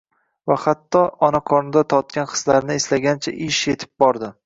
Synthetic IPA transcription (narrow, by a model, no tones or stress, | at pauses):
vahat̪ʰːɒɒnaqʰɒnɪd̪at̪ʰɒt̪̚kʲanqʰɨ̥zlaɾnɪɪslaɡʲant͡ʃʰaʔɪʃje̞t̪ʰɪ̥p̚bɒɾd̪ɪ